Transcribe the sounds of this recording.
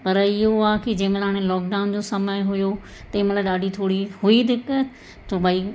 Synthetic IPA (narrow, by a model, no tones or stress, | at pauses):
pɐɾɪɦoaːkid͡ʑẽːmnaːɽ̃ẽlɔːk̚ɖaːʊnd͡ʑoːsɐməjɦʊjo | t̪eːməlaɗaːɖʱit̪ʰoːɽiɦʊid̪ɪk | t̪obaiː